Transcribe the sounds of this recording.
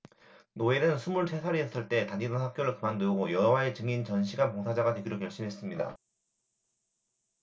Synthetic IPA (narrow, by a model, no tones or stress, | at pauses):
noe̞nɯnsʰumuɭsʰe̞sʰaɾiʌs͈ɯɭt͈e̞taninanhak͈̚joɾɯɭkɯmandɯɡojʌɦʌwae̞t͡ɕɯŋint͡ɕʌnɕʰiɡapoŋsʰad͡ʑaɡadwe̞ɡiɾokjʌɭɕ͈imɦe̞s͈ɯmɲida̰